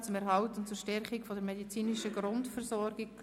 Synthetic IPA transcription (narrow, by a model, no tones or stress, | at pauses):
t͡sʊmɛɾɦɑltʊntt͡suːɾʃtɛɾχɪkfɔdəɾmɛdit͡siːnɪʃəɡɾʊntfəɾsɔɾɡɪɡ